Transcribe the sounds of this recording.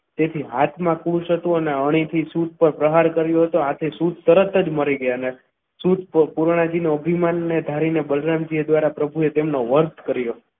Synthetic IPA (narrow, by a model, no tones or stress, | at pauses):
t̪et̪ʰiɦat̪ʰmãkuʃɦət̪ũəneəɽ̃it̪ʰisut̪̚pəɾpɾəɦaɾkəɾjũɦət̪ũat̪ʰisut̪̚t̪ːəɾət̪əd͡ʒməɾiɡəjane | sut̪̚pəpuɾɳ̃ad͡ʒinuəbʱimanːed̪ʱaɾinebəlɾamd͡ʒied̪ʋaɾapɾəbʱuet̪emnoʋəɾt̪ʰkəɾjo